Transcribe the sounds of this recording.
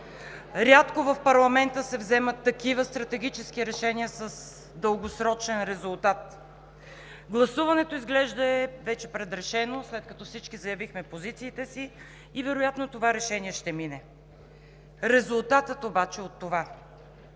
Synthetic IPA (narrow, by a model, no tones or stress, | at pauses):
ɾʲat̪kovɐfpɐɾlˠɐmɛnt̪əsɛvzɛmət̪ːɐkivəst̪ɾɐt̪ɛɡ̟it͡ʃɛskiɾɛʃɛniəsəs | d̪əlˠɡosɾɔt͡ʃɛnɾɛzulˠt̪at̪ | ɡlˠɐsuvɐnɛt̪oizɡlɛʒd̪əɛvɛt͡ʃɛpɾɛd̪ɾɛʃɛnoslɛt̪̚kɐt̪ɔfsit͡ʃkizɐjɐvixmɛpozit̪siːt̪ɛsiː | vɛɾojat̪not̪ovaɾɛʃɛniɛʃt̪ɛminɛ | ɾɛzulˠt̪at̪ət̪obat͡ʃɛot̪ːova